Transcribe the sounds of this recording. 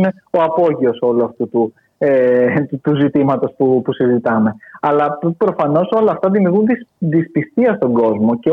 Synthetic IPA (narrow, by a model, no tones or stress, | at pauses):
ne̞ | o̞ɐpo̞ʝio̞so̞luɐft̪ut̪u | et̪uzit̪imɐt̪o̞spupusizit̪ɐme̞ɐlɐpɾo̞fɐno̞so̞lɐːft̪ɐðimiuɾɣunðiðispist̪iɐst̪o̞ŋɡo̞zmo̞ce̞